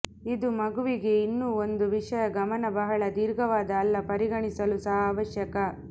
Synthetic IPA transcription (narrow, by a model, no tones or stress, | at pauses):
id̪umɐɡuʋiɡe̞inːuːond̪uʋiʂɐjɐɡɐmɐnɐbɐɦɐɭɐd̪iːɾɡʱɐʋaːd̪ɐːlːɐpɐɾiɡɐɳisɐlusɐɦɐaaːʋɐʃjɐkɐ